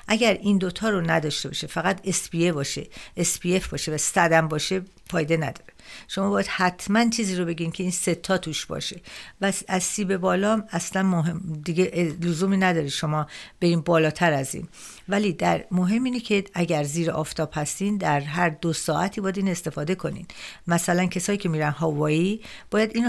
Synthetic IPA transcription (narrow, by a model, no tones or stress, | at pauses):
ʔæɟæɾʔind̪ot̪ʰɒːɾonæd̪ɒːʃt̪e̞bɒ̰ːʃefæɣæt̪ʰesbiebɒːʃḛesbie̞fbɒːʃevæsæd̪æmbɒːʃe̞ | fɒːjed̪e̞næd̪ɒ̥ɾeʃomɒːbɒːjæd̪̥hæt̪ʰmænt͡ʃʰiːziːɾo̞be̞ɟiːmcʰe̞iːnse̞t̪ʰːɒːt̪ʰuːʃbɒ̰ʃe̞væsæzsiːbe̞bɒːlɒːmæslænmoɦemd̪iɡeʔlozuːmiːnæd̪ɒːɾeʃo̞mɒːb̥e̞ɾiːm̚bɒːlɒːt̪ʰæɾæzḭːn | væliːd̪æɾmoɦe̞mːiːnecʰe̞æɟæɾziːɾeʔɒːft̪ʰɒːb̥hæst̪iːnd̪æɾɦæɾd̪osɒːʔæt̪ʰibɒːjæd̪iːne̞st̪e̞fɒːd̪e̞kʰo̞nḭd̪mæsælæncʰesɒːjiːcʰʲe̞miːɾænɦɒːvɒːiːb̥ɒːjæd̪iːn